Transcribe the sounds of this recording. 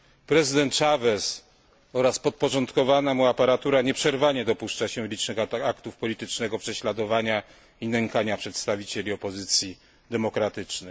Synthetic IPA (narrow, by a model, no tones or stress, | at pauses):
pɾɛzɨd̪ɛnt̪t͡ʂavɛs | ɔɾaspɔt̪̚pɔʐɔnt̪kɔvanamuapaɾat̪uɾaɲɛpʂɛɾvaɲɛd̪ɔpuʂt͡ʂaɕɛlʲit͡ʂnɘxakt̪ufpɔlʲit̪ɘt͡ʂnɛɡɔpʂɛɕlad̪ɔvaɲa | inɛŋkaɲapʂɛt̪st̪avʲit͡ɕelʲiɔpɔzɘt̪sʲji | d̪ɛmɔkɾat̪ɘt͡ʂnɘ